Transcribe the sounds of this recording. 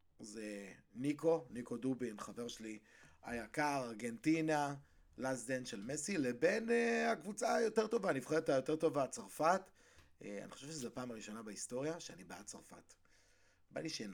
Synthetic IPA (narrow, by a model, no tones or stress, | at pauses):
zeniko̞niko̞dubinχave̞ʁʃeli | a̰jakaʁaʁɡe̞ntina | lazd̪enʃelmesilebe̞neakvut͡sajo̞te̞ʁt̪o̞vaːnivχeet̪ajo̞t̪e̞ʁt̪o̞vat͡saʁfat | a̰niχoʃevʃezeapaːmaʁiʃo̞nabaisto̞ʁjaʃeanibaat͡saʁfa̰t | ba̰niʃen